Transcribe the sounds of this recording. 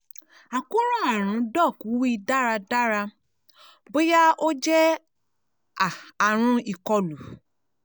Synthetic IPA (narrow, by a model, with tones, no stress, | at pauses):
a˨ku˦ɾ̃ã˦˨a˨ɾ̃ũ˨˦dɔ˦˨ku˨˦wi˦i˧da˦ɾa˧da˦ɾa˧ | bo˦ja˦o˦d͡ʒɛ˦ | aː˨ɾ̃ũ˧˦i˨kɔ˧lu˨